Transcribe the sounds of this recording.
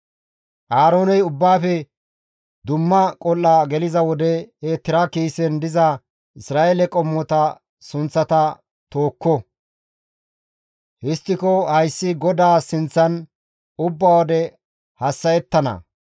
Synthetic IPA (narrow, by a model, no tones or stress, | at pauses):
ʔaːɾo̞ːnɛjʊbːaːfɛ | d̪ʊmːɐkʼɔlːɐɡɛlɪzɐwɔd̪ɛeːt̪ːɪɾɐkiːsɛnd̪ɪzɐ | ɪsɾaːʔelɛkʼɔmːɔt̪ɐ | sʊnt͡sːɐt̪ɐ | t̪o̞ːkːɔ | hɪst̪ːɪkɔhɐjsːɪɡɔd̪aːsɪnt͡sːɐn | ʊbːawɔd̪ɛ | hɐsːɐjɛt̪ːɐnɐ̰